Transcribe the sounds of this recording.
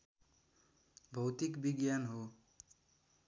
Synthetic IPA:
bʱʌwt̪ikbiɡjanɦo

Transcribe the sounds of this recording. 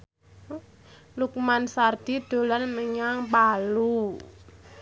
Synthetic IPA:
lukmansard̪̥i̤d̪̥o̤lanməɲaŋpalu

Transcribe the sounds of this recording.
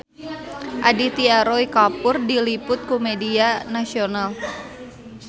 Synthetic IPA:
ʔadit̪iaɾoikapʊrdilipʊt̪̚kumedianasional

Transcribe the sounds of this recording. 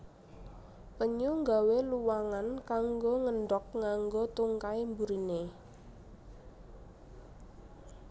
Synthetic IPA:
pəɲuŋɡaweluwaŋankaŋɡoŋəɳɖɔk̚ŋaŋɡot̪uŋkaimbuɾine

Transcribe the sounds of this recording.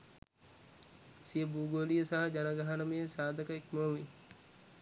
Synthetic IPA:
sijəbuːɡolijəsaɦɐd͡ʒanəɡaɦɐnəmejesaːd̪əkəekməʋi

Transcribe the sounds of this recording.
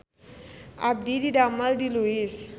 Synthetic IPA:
a̰p̚d̪idiɖamalɖiluis

